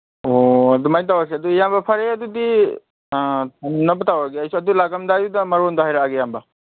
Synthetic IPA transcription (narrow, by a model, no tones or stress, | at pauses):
oɐdumajnt̬awas̬eɐdujambɐpʰɐɾeɐdudi | nɐbatawaɡeɐjsuɐdulaɡamdajudɐmɐɾɔndaɦajɾaaɡejambɐ